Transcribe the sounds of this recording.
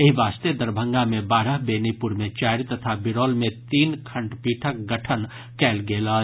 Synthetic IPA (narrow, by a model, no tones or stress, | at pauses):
ɐɦiʋaːst̪ed̪ɐɾbʱə̃ŋɡamẽbaːɾəɦbeːnipʊɾmẽt͡ʃaːɾit̪ɐt̪ʰabɪɾoːlmẽt̪iːnkʰə̃ɳʈpiːʈʰək̚ɡəʈʰən | kɛːlɡeːla